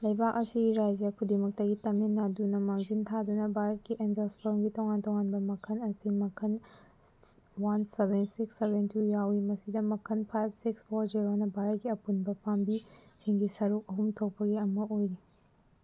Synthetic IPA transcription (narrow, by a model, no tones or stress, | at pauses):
lɐjbakɐsiɡiɾad͡ʒjɐkʰudimɐk̚tɐɡitɐmenːadunɐmaŋzintʰad̪unɐbʱaɾɐt̚kiʔend͡ʒɐlspʰoɾmɡitɔŋantɔŋanbɐmɐkʰɐnɐsimɐkʰɐn | wɐnsebʱensiksːebentʰujawimɐsidɐmɐkʰɐnpʰajb̚ʰsikspʰoɾd͡ʒiɾonɐbʱaɾɐt̚kiɐpunbɐpʰambisiŋɡisɐɾuk̚ɐɦumtʰok̚pːɐɡiɐmɐojɾi